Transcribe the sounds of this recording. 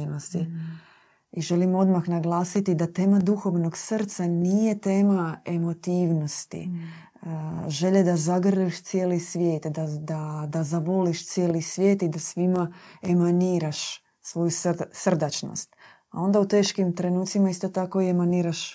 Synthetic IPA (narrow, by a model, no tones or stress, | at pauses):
nost̪i | iʒe̞limo̞d̪maxnaɡlˠaːsit̪id̪at̪e̞ːmad̪uxo̞ʋno̞ɡsr̩t̪sanije̞t̪e̞ːmae̞mo̞t̪iːʋno̞st̪ḭ | ʒe̞ʎed̪azaɡr̩eʃt̪sijelisʋʲje̞ːt̪d̪ad̪ad̪azabo̞liʃt̪sije̞ːlisʋʲje̞ːt̪id̪asʋimae̞maniːɾaʃ | sʋo̞jusrsr̩d̪at͡ʃno̰st̪ | a̰o̞nd̪aut̪e̞ːʃkimt̪ɾe̞nuːt̪simaist̪o̞t̪ako̞ie̞maniːɾaʃ